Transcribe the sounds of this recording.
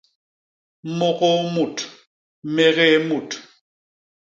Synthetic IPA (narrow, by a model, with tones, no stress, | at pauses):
mɔ˦ɣɔ˦mu˨tʰ | mɛ˨ɣɛ˦mu˨tʰ